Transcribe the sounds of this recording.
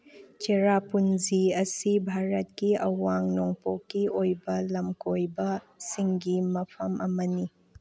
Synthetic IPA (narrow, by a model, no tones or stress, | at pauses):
t͡ʃeɾapunziɐsibʱaɾɐt̚kiɐwaŋnoŋpokːiojbɐlɐmkojbɐ | siŋɡimɐpʰɐmʔɐmɐni